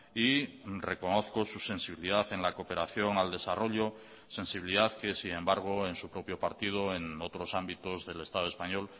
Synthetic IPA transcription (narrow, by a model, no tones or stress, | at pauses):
ire̞ko̞no̞θko̞suse̞nsiβiliðaθe̞nlako̞pe̞ɾaθjo̞ŋald̪e̞saro̞ʎo̞ | se̞nsiβiliðaθke̞siẽ̞mbaɾɣ̞o̞e̞nsupɾo̞pjo̞paɾt̪ið̞o̞e̞no̞t̪ɾo̞sambit̪o̞zðe̞le̞st̪að̞o̞e̞spaɲo̞l